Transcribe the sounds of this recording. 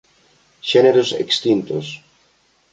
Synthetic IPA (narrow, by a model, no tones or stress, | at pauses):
ʃɛneɾosḛkst̪int̪o̰s